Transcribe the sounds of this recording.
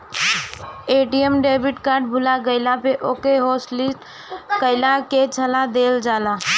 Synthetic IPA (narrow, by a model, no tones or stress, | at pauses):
eʈiemɖebiʈkaɾɖbʱulaɡəɪlapeʔokeɦoslisʈ | kəɪlaket͡ʃʰəlad̪eld͡ʒala